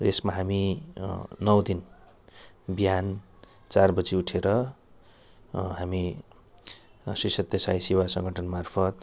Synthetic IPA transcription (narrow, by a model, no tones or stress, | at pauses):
resmaɦami | nʌwd̪in | bjan | t͡sarbʌd͡ziuʈʰeɾʌ | ɦami | sisʌt̪jʌsajsiwasʌŋɡʱʌʈʰʌnmarpʰʌt̪̚